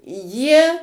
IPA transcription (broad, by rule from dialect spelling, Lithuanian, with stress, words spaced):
jiɛ